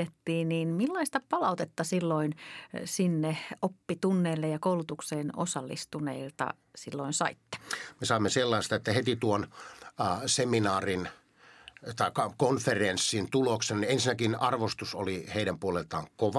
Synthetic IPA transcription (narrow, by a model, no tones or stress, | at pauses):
et̪ːiːniːnmilːɑist̪ɑpɑlɑut̪et̪ːɑsilːoinsinːeopːit̪unːeːlːejɑkoulut̪ukseːno̰sɑlːḭst̪unḛilt̪ɑ̰ | silːoinsɑ̰it̪ːe̥mesɑimːeselːɑˑist̪ɑet̪ːæhet̪it̪uon | seminɑːrin | t̪ɑˑikːɑkonferensːint̪uloksenniensinækinɑrʋost̪uso̰liheiɾæmpuolelt̪ɑ̰ːŋkoʋ